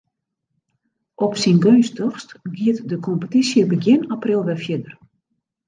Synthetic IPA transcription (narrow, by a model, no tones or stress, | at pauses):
ʔɔpsinɡøːnstəxstɡiətdəkʰɔmpətisjəbəɡjɪnaprɪlˠʋɛfjɪdər